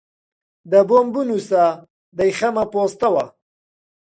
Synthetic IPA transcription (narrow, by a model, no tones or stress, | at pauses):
d̪əbombunusa | d̪ajxamapost̪awa